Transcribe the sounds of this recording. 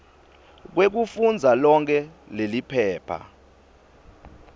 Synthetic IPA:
k̬wek̬ufund͡zʱalɔŋkʰɛ | lelipʰɛːpʰa̰

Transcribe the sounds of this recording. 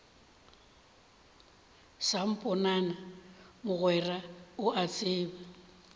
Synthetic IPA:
sam̩pʼɔnanamʊɣwɛraʊʔat͡sʼɪːba

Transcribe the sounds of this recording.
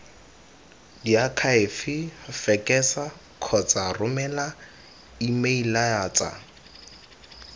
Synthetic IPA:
diakʰaɪfɪfɛkʼɛsa | kʰɔt͡sʼarʊmɛla | imeilajaːt͡sʼa̰

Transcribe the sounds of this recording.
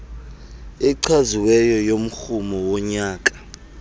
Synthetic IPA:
ɛǀʰwaziwɛjɔjom̩xumɔwɔɲaːkʼḁ

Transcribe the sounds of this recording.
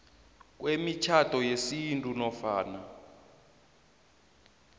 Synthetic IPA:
k̬wemit͡ʃʰatɔjesintʼunɔfaːna

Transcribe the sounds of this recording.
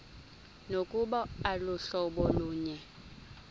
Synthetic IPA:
nokʼuɓɔalʊɬɔɓɔluːɲɛ

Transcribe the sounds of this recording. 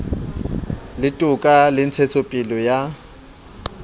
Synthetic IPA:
lɪtʼʊkʼalɪn̩t͡sʰet͡sʰopʼilɔja

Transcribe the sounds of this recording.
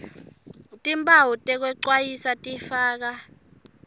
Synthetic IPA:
tʼimbʰʱʼawutʼɛk̬wɛǀwajisatʼifaːk̬a

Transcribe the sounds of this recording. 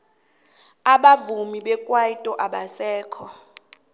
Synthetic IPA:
aɓavumiɓɛkʼwaitʼɔʔaɓasɛːkʰɔ

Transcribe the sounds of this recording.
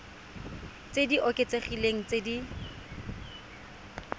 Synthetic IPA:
t͡sediʔɔkʼet͡seχileŋ̩t͡sedi

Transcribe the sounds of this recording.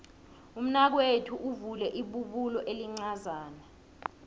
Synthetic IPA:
um̩nak̬wetʰuʔuvulɛʔiɓuɓulɔʔeliŋ͡ǀazaːna

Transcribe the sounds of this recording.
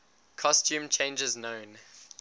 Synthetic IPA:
kʰɔstʰjũːmt͡ʃʰẽɪ̃nd͡ʒɪznõʊ̃n

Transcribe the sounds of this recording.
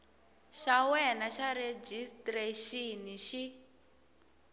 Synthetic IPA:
ʃawɛnaʃaɾed͡ʒistreʃiniʃi

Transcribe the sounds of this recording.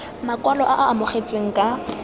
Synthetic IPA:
makʼwalɔʔaʔaʔːmʊχet͡sʼweŋ̩kʼa

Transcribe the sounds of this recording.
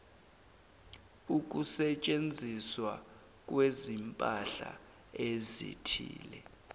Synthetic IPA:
uk̬ʼusɛt͡ʃʼend͡zʱiswa | k̬ʼwezimpʼaɬa̰ | ezḭtʰiːlɛ

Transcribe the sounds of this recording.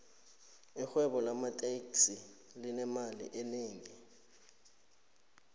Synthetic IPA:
ixwɛɓɔlamatʼeksi | linɛmalḭʔɛneːŋi

